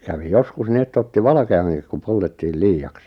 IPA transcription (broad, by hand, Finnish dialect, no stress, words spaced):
kæʋi joskus ni etː otːi ʋɑlɑ̆keɑŋkik ku poltetːiːl liːɑks